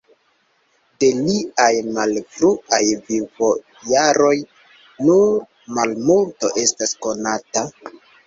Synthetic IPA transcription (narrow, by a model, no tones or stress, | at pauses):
de̞liajmalfɾuajvivo̞ | jaɾo̞j | nuɾ | malmulto̞ʔe̞stasko̞nata